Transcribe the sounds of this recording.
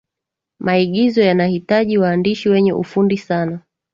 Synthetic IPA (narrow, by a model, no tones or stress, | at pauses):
maiɠizɔjanahitaʄiwaːndiʃiwɛɲɛʔṵfundisana